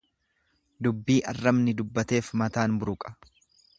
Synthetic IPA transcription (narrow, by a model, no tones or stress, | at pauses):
d̪ʊbːiːʔɐrːɐmnɪd̪ʊbːɐt̪e̞ːfmɐt̪aːnbʊɾʊkʼɐ̥